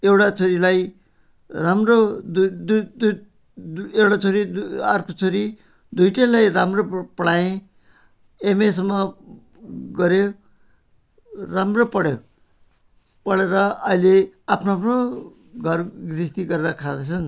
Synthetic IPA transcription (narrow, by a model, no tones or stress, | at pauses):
ewʈat͡sʌɾilaj | ramrod̪ud̪d̪ | dewʈat͡soɾid̪arkot͡sʌɾi | d̪ujʈelajɾamropʌɽaẽ | emesmʌ | ɡʌɾe | ramropʌɽjo | pʌɽeɾʌʌileapʰnoapʰno | ɡʱʌrɡrist̪iɡʌɾeɾʌkʰad̪et͡sʰʌn